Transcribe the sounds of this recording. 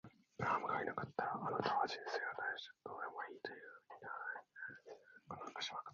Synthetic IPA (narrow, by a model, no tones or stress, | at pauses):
amɯkainakat̪ʰːaːnat̪aβaʑĩɰse̞ːɡat̪aʑo̥d̪oːd̪emoiːt̪o̞jɯːhɯɲina | kononakḁɕimakḁ